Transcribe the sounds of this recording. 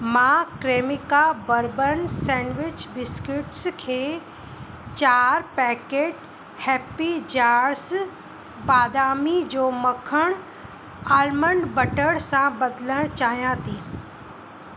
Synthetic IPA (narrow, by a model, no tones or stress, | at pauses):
mãkɾeːmɪkabəɾbənsɛ̃ːnʋɪt͡ʃbɪskɪʈskʰeː | t͡ʃaːɾpɛːkeːʈ | hɛːpid͡ʑaːɾs | baːd̪aːmid͡ʑoːmɐkʰəɽ̃ | aːlməɳɖbɐʈəɽsãbɐd̪ləɽ̃t͡ɕaːɦijãt̪ʰiː